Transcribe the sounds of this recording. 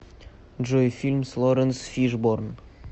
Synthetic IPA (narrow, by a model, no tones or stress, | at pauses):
ʒojfilʲmslˠoɾənsfiʒborn